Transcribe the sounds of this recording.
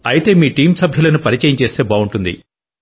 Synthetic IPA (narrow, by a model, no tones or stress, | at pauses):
ɐjit̪e̞ːmiːʈiːmsɐbʱjulɐnupɐɾit͡ʃɐjɐɲt͡ʃe̞ːst̪e̞ːbaːuɳʈund̪ḭ